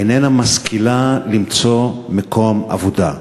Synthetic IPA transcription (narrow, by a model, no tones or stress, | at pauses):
enenamaskʰilalimt͡so̞mekoma̰voda̰